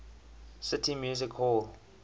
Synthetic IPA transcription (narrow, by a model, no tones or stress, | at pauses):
sɪtʰimjuːzikʰhɔl